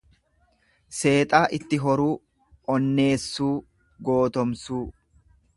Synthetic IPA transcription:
se̞ːt̪ʼaːʔɪt̪ːɪɦɔɾuː | ʔɔnːe̞ːsːuː | ɡo̞ːt̪ɔmsuː

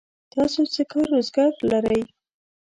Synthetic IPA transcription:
t̪ɑsot͡sekɑɾːozɡɑɾlaɾəj

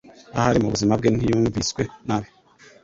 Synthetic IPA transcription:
ahaɾimuβuzimab̚ɡenijuːɱviskwenaβe

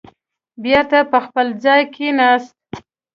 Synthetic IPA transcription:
bjeɾt̪apəxpəld͡zɑjkʰenast̪̚

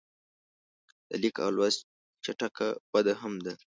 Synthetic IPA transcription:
d̪̥ə̰likɑ̰lwas | t͡ʃaʈaka̰b̥ad̪aɦamd̪a

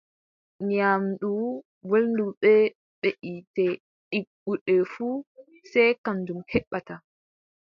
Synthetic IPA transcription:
ɲamɗu | wolnduɓɛ | ɓeʔitɛ | ɗiɡuɗɛfu | sɛjkamdumhɛɓːata

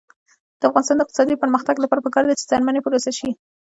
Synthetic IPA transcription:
d̪̥əafɣɑnɪst̪ɑnd̪ɪq̚t̪ɪsɑd̪ipəɾməxt̪aɡlapɑɾapəkɑɾd̪at͡ʃe̥zɑɾmanepəɾosaʃi

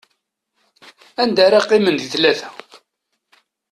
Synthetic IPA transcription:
ænd̪aɾɑqːimənd̪θlæθæ

